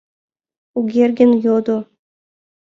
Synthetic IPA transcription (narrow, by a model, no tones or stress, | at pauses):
uɡʲerʲɡʲɘ̆njod̪u